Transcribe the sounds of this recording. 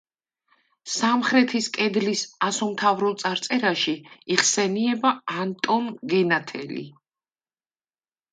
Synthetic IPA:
samχɾɛt̪ʰiskʼɛd̪lisasɔmt̪ʰavɾɔlˠt̪sʼaɾt̪sʼɛɾaʃiiʁsɛniɛbaːnt̪ʼɔnɡɛnat̪ʰɛ̰lḭ

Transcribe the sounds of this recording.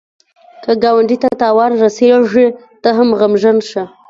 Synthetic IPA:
kəɡɑwaɳɖit̪at̪ɑwɑnɾaseʐi | t̪əɦamɣamʒanʃə

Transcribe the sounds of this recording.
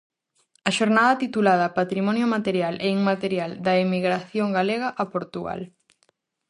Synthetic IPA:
ɐʃoɾnaðɐt̪it̪ulað̞ɐpat̪ɾimɔnjomat̪eɾjalʔeiŋmat̪eɾjald̪ɐemiɣɾaθjoŋɡaleɣɐʔapoɾt̪uɣa̰l

